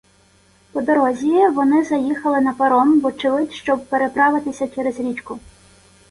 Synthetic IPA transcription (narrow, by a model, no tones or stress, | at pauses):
pɔd̪ɔɾɔzʲiʋɔnɪzɐjixɐlˠɪnɐpɐɾɔnʋɔt͡ʃɪlˠɪtʲʃt͡ʃɔb̚peɾepɾɑʋɪt̪ɪsʲɐt͡ʃɛɾezɾʲit͡ʃkʊ